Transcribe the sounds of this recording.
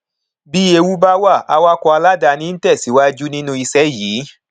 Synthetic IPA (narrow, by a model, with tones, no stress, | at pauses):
bi˦e˧wu˦ba˦wa˦˨a˧wa˦kɔ˧a˧la˦da˧nĩ˦n̩˦tɛ˦˨si˨˦wa˦d͡ʒu˦nĩ˦nũ˦i˧sɛ˦˨jiː˨˦